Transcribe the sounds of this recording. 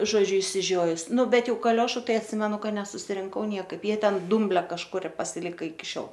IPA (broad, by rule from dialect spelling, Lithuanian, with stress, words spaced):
ʒoːˈd͡ʒʲʊ ɪʃʲsʲɪˈʒʲoːjʊs ˈnʊ ˈbʲɛt ˈjɛʊ kɐˈlʲoːʃʊ ˈtɐɪ ɐtʲˈsʲɪmʲɛnʊ ˈkɐ nʲɛsʊsʲɪrʲɪŋˈkɐʊ ˈnʲiɛkɐɪp ˈjiɛ ˈtʲɛn ˈdʊmʲbʲlʲɛ kɐʃˈkʊr ɪr pɐsʲɪˈlʲɪkɐ ɪkʲɪ ˈʃʲoːlˠ